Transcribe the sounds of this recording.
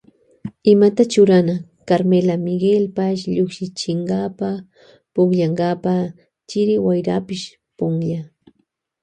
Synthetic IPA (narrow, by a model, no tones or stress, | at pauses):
ɪmat̪at͡ʃʊɾana | kaɾmelamɪɡɪlpaʃʎokʃɪt͡ʃɪɴɢɑpa | pʊkʎaɴɢɑpa | t͡ʃɪɾɪwajɾa̰pɪʃ | pʊŋʎa